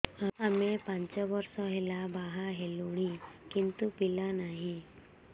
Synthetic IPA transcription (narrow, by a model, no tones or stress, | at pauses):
aamepãɲt͡ɕɔʋəɾsɔɦelabaɦaɦeluɽ̃ikint̪upilanaɦi